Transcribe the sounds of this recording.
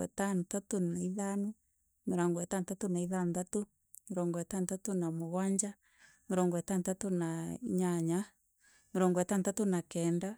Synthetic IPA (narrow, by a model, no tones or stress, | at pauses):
ɛ̰tanutatonaiðanu | ŋeɾaŋɡwɛtantatonaiðandato | ŋeɾɔŋɡɔwɛtantatonamoɣwaɲd͡ʒa | ŋeɾɔŋɡɔwɛtantatonaiɲaɲa | ŋeɾɔŋɡwɛtantatonakɛːnda